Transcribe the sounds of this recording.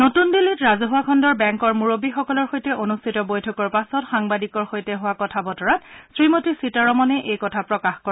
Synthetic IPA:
notundilːitɹazɔɦʊwakʰɔndɔɹbɛŋkɔɹmuɹobixɔkɔlɔɹxojtɛʔonustʰitɔbojtʰɔkɔɹpasɔtxaŋbadikɔɹxojtɛɦʊwakɔtʰabɔtɔɹatsɹimotisitaɹɔmɔnɛʔejkɔtʰapɹɔkaxkɔa

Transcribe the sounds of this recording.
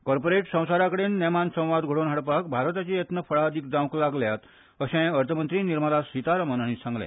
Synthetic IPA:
kɔɾpoɾeʈsə̃w̃saɾakəɽenːɛmansə̃w̃ʋad̪ɡʱoɽoːnɦaɽpak̚bʱaɾt̪at͡ɕijet̪nəfəɭaəd̪ʱiːk̚d̪ãwklaɡljat̪ | əɕɛ̃əɾt̪ʰəmənt̪ɾiːniɾmalasʋit̪aɾəmənañiːsãŋɡlɛ̰̃

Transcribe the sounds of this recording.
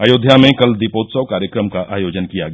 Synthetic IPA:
aːjoːd̪ʱjamẽkɐld̪ipoːt̪səʋkaːɾjəkɾəmkaʔaːjoːd͡ʒənkijaɡ

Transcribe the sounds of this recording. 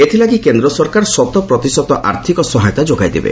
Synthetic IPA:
et̪ʰilaɡikend̪ɾɔsɔɾkaɾsɔt̪ɔpɾɔt̪isɔt̪ɔʔa̰ɾt̪ʰikɔsɔɦajɔt̪ad͡ʒoɡajd̪ḛbḛ

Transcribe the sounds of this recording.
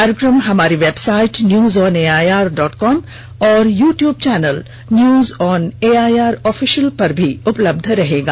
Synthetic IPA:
kaːɾɪkɾəmɦɐmaːɾiʋeːbsaːɪʈnjuːzɔːneːaːjaːɾɖɔːʈkɔːm | ɔːɾjuːʈjuːb̚t͡ʃɛːnəl | njuːzɔːneːaːjaːɾɔːfʰiʃəlpɐɾbʱiʊpləb̚d̪ʱɾɐɦeːɡaː

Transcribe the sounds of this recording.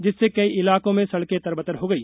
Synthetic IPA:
d͡ʒɪsːekɐiʔɪlaːkõmẽsɐɽket̪ɐɾbət̪əɾɦoːɡɐiː

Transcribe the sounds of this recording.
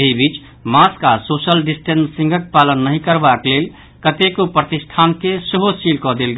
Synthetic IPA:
eɦibit͡ʃ | maskasosəlɖisʈensĩŋɡək̚palənːəɦĩkəɾbaklel | kət̪ekopɾət̪isʈʰankeseɦosilkɔd̪elɡ

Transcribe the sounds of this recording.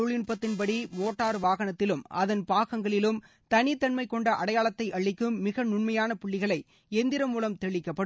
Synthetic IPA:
ʊɭɪɳpɐt̪ːɪnpɐɽimoːʈːaːɾʋaːɣɐnɐt̪ːɪlɯmʔɐðɐnpaːɣɐŋɡɐɭɪlɯm | t̪ɐnɪt̪ːɐɳmɐɪkːɔɳɖɐʔɐɽɐjaːɭɐt̪ːɐɪʔɐɭːɪkːɯmːɪɣɐnʊɳmɐjaːnɐpʊɭːɪɣɐɭɐɪ | ɛnd̪ɪɾɐmuːlɐmt̪ɛɭɪkːɐpːɐɽ

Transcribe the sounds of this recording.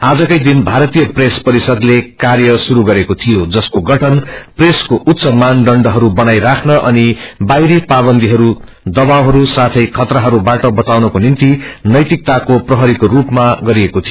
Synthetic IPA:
ad͡zʌkʌjd̪inbʱaɾʌt̪ijʌprespʌɾisʌd̪lekarjʌsuɾuɡʌɾekot̪ʰijod͡zʌskoɡʌʈʰʌnpreskoʔut̪ːsʌmanɖʌɳɖʌɦʌɾubʌnajɾakʰnʌʔʌnibajɾepabʌnd̪iɦʌɾu | d̪ʌbawɦʌɾusat̪ʰʌjkʰʌt̪rʌɦʌɾubaʈʌbʌt͡sawnʌkonint̪inʌjt̪ik̚t̪akoprʌɦʌɾikorupmaɡʌɾiekot̪ʰijo

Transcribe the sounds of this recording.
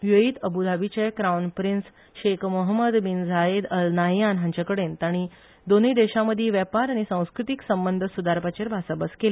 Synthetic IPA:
ʋjəiːt̪əbud̪ʱabit͡ɕekɾawnpɾins | ɕekmoɦəməd̪bind͡zʱaed̪əlnajanɦaɲt͡ɕakəɽent̪aɽ̃i | d̪onəid̪eɕaməd̪ʱjiʋjɛpaɾaɽ̃isãw̃skɾut̪iksəmbənd̪ʱsud̪aɾpat͡ɕeɾbʱasəbəskele

